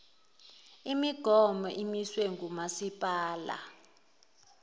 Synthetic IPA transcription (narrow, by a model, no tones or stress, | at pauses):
imiɡ̥ʱɔmɔʔimiswɛŋɡʱumasipʼaːla̰